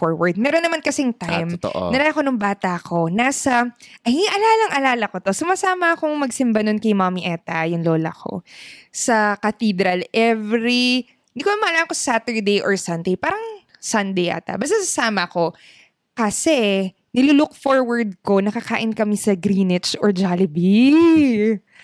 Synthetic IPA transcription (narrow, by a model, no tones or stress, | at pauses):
foɹwɐɹd̪̚mɛːɾonːɐmankɐsɛjŋt̪ajmt̪ʔnɐlaɐkonʊŋbaːt̪ɐkʰo̞nasɐʔɐjiʔɐlaːlɐŋʔɐlaːlɐko̞t̪o̞sʊmasaːmɐɐkoŋmɐɡsɪmbɐnonkɐjmamiʔɛt̪ɐjʊŋloːlɐ̰kʰo̰sɐkɐt̪id̪ɾɐlʔɛvɾi | ɪnd̪ikonɐmɐalaːɐŋkosɐ̥sat̪ɛɹd̪ejʔɔɹsɐnd̪ejpaːɾɐŋ | sɐnd̪ejʔa̰ːt̪ɐ̰bɐst̪asɐsaːmɐko̞ | kɐsɛ | nɪluːlʊk̚foɹwɐɹd̪̚ko̞nɐkɐka̰ːʔɪnkɐmisɐɡɾinɪt͡ʃɔɹd͡ʒaːlɪbi